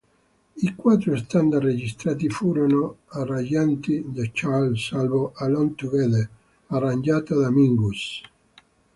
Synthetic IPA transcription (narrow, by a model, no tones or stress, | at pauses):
ikwat̪ːɾost̪and̪arːed͡ʒist̪ɾaːt̪ifuːɾonoarad͡ʒant̪id̪at͡ʃalsalvoʔalɔnt̪uɣɛle | arand͡ʒaːt̪ad̪amiŋɡus